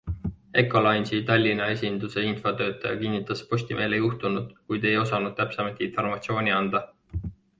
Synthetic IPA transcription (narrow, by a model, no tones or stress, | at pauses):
e̞kˑːo̞lɑjnsit̪ɑlʲːinɑe̞sʲind̪use̞info̞t̪ø̞ːt̪ːˑɑjɑkinːit̪ːˑɑspo̞sʲt̪imʔe̞ːlejuht̪unud̪̥kujd̪̥e̞jo̞sɑnud̪̥̚t̪æpsemɑt̪ːˑinfo̞rmɑt̪sio̞ːnʲiɑnd̪̥ɑ